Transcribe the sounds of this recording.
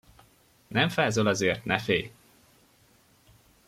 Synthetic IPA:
nɛɱfaːzolɒzeːrt̪nɛfeːj

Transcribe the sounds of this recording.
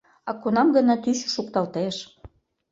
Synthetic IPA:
ɑkonɑmɡə̆nɑt̪yʃʃukt̪ɑlt̪eʃ

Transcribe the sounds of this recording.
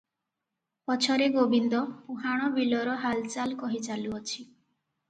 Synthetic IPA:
pɔt͡ʃʰɔɾeɡobind̪ɔpuɦaɽ̃ɔbilɔɾɔɦalt͡ʃalkɔɦit͡ʃaluot͡ʃʰi

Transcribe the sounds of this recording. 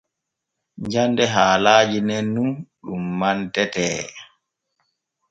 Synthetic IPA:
ɲd͡ʒandɛɦaːlaːd͡ʒinenːuɗumːantɛtɛː

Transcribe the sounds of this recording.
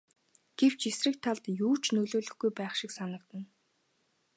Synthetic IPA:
ɡ̥ew̥t͡ɕesrɘ̆k̚t̪ʰːaɮt̪juːt͡ɕnɵɮoːɮɵ̆xɡujpæːχʃiksanə̆kt̪ə̆n

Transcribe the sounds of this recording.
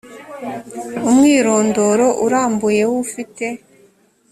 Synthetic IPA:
umŋiːɾoːndo̞ɾo̞ʔuɾaːmbuje̞wufite̞

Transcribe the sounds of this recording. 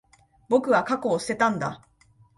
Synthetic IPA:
bo̞kɯ̟βakako̞ːsɨ̥t̪e̞t̪ãnd̪a̰

